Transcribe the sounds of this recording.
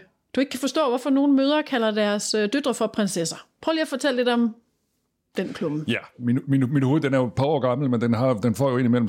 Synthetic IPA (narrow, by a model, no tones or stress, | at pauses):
d̥ue̝ɡ̥kʰæfɒ̽sd̥ɔ̰ːʋɒfɒ̽no̝ːn̩møːð̞ˠɐkʰælɐd̥æɐsød̥ød̥ʁɐfɒ̽pʰʁensesɐpʰʁœʊliɐfɒ̽t͡sʰel̰le̝d̥ɒ̽m | d̥enkʰlob̥̩jæminminminho̝ð̩ˠd̥enæɐjopʰɑ̈ɒ̰ːɡ̥ɑ̈ml̩mend̥enɦɑ̈jd̥enfɒ̰ːjoe̝nimel̰m̩